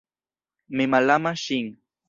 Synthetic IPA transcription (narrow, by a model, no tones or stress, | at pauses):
memalamaʃɪŋ